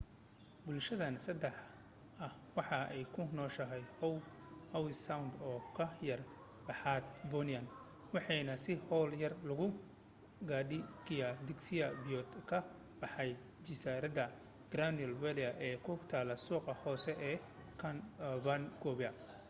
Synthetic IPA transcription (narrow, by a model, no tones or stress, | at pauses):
bʊlʃɐðɐnsɐd̪ɛħ | ɐhwɑħɑʔɛjkʰʊnɔːʃɐɦɛjɔ | hɐwɪsawnd̪ɔːkʰɐjɐr | bɐħaːd̪bɔniɐn | wɑħɑjnɐsɪhɔwljɐrlʊɣʊ | ɡaːɖɪɡijad̪ɪksɪjɐbijɔt̪kʰɐ | b̥ɑħɑj | d͡ʒɪsaːɾɐðɐ | ɡ̥ɾaniɔlwɛlɪɐʔɛːkʰʊt̪ʰaːlɐsuːqɐhɔːsɛʔɛː | kʰɐnbanɡɔːβɛɐ